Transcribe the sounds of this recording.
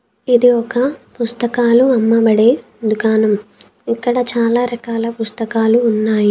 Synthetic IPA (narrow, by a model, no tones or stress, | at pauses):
id̪iɔkɐpust̪ɐkaːluɐmːɐbɐɽe | d̪ukaːnɐm | ikːɐɽɐt͡ʃaːlaːɾɐkaːlɐpust̪ɐkaːluːnːaːji